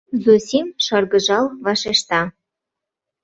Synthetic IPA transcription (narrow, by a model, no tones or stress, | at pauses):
zusimʃɑrɣɤ̆ʒɑlβɑʃeʃt̪ɑ